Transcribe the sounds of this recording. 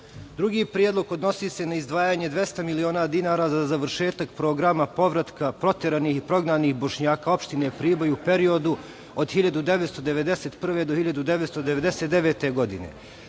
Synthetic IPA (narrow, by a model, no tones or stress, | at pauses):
d̪ɾuɡiːpɾjed̪lˠoɡod̪no̞siːse̞naizd̪ʋaːjaːɲed̪ʋje̞st̪amilio̞ːnad̪inaːɾaːzazaʋɾʃe̞ːt̪ak̚pɾoɡɾamapo̞ʋɾat̪kapɾo̞t̪eɾaniːhipɾo̞ɡnaːniːxbo̞ʃɲaːkao̞pʃt̪ine̞pɾiːbojupe̞ɾio̞d̪u | od̪xiʎad̪ud̪eʋet̪st̪o̞d̪eʋe̞d̪eseːt̪pr̩ʋe̞d̪ohiʎad̪ud̪eʋet̪st̪od̪eʋed̪eset̪d̪eʋeːt̪e̞ɡo̞d̪inḛ